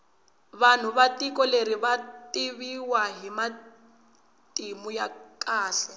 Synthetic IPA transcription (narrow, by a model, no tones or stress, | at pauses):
βan̤uβatikɔleɾiβatiβiwaɦima | tʼimujakʼaːɬɛ